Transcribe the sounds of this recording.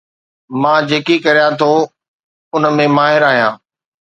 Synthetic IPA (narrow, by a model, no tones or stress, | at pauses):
mãːd͡ʑeːkikɐɾijãt̪ʰoː | ʊnəmẽmaːɦɪɾaːɦijãː